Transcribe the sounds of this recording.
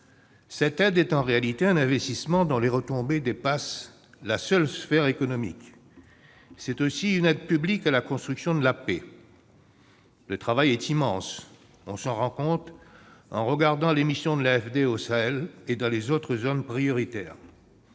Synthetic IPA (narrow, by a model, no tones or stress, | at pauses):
sɛt̪ɛd̪ɛt̪ɑ̃ʁealit̪eɛ̃nɛ̃vɛst̪ismɑ̃d̪ɔ̃leʁət̪ɔ̃bed̪epas | lasœlsfɛʁekɔnɔmḭk | sɛt̪osiynɛd̪̚pyblikalakɔ̃st̪χyksjɔ̃d̪əlape | lət̪χavajɛt̪imɑ̃s | ɔ̰̃sɑ̃ʁɑ̃kɔ̃t̪χɑ̰̃ʁəɡaʁd̪ɑ̃lemisjɔ̃d̪əlaɛfd̪eosaɛled̪ɑ̃lezot̪χəzonpχijɔʁit̪ɛ̰ːʁ